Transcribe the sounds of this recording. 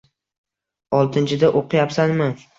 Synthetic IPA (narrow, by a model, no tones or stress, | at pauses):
ɒlˠt̪ʰɪnt͡ʃʰɪd̪aʔoqʰɨjapsanmɪ